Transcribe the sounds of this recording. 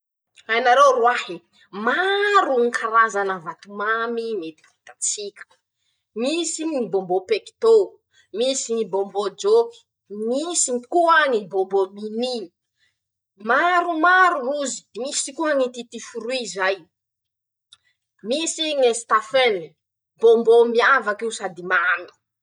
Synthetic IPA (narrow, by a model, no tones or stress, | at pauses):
ajnaɾewruahi | maɾuŋikʰaɾazanəvat̪umamimet̪i̥fit̪at͡sikʲə̥ | misimibombopeki̥t̪o | misiŋibombod͡ʒoki̥ | misiikuaŋibombomini | maɾumaɾuuzi̥misikuaŋit̪it̪ifuɾuizaj | misiŋest̪afeni | bombomiavakewsad̪imami̥